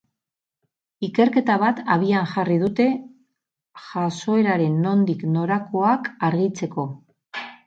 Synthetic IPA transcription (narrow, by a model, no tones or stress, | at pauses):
ike̞ɾke̞t̪aβ̞at̪aβ̞ianʝarið̞ut̪e̞ | ʝaso̞e̞ɾaɾe̞nːo̞nd̪ikno̞ɾako̞akaɾɣit͡se̞ko̞